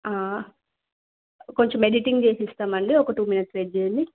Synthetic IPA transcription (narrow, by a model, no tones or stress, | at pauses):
aː | ko̞ɲt͡ʃemːeɖiʈiŋɡd͡ʒeːsist̪aːmɐɳɖiɔkɐʈuːminɐsɾed͡ʒeːnd̪i